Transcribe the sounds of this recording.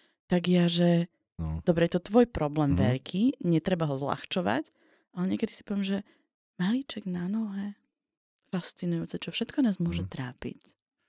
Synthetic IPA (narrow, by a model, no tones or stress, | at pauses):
t̪aɡjaʒɛ | d̪̥ɔbɾɛjɛt̪ɔt̪ʋɔjpɾɔblɛːmʋɛ̰ʎkʰiːɲɛt̪ɾɛbaɦɔzla̰xt͡ʃɔʋa̰c | alɛɲɪɛkɛd̪isi̥pɔʋjɛːmʒɛ | maliːt͡ʃɛɡnanɔɦɛ | fast͡sinujuːt͡sɛt͡ʃɔfʃɛt̪kɔnaːzmʊɔʒɛt̪ɾaːpḭc